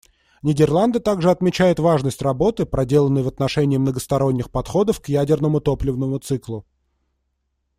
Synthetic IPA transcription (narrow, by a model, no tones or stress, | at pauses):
nʲɪdʲɪrlˠand̪ət̪aɡʐɨɐt̪mʲɪt͡ɕæjɪt̪vaʐnəsʲtʲrɐbo̞t̪ɨpɾɐdʲe̞lˠənːəjvɐt̪nɐʂɛnʲɪɪmnəɡəst̪ɐɾo̞nʲːɪxpɐt̪xo̞d̪əfkjædʲɪrnəmʊt̪o̞plʲɪvnəmʊt̪sɨklˠʊ